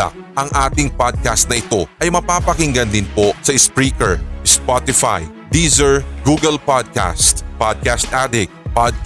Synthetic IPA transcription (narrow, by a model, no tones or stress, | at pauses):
a̰k̚ʔɐŋʔaːt̪ɪŋpad̪̚kast̪̚nɐʔɪt̪o̞ʔɐjmɐpaːpɐkɪŋɡɐnd̪ɪnpo̞sɐɪspɹiːkɛɹspat̪ɪfa̰j | d̪izɛɹɡuːɡɛlpad̪̚ka̰st̪pad̪̚kast̪ʔad̪ɪk̚pad̪̚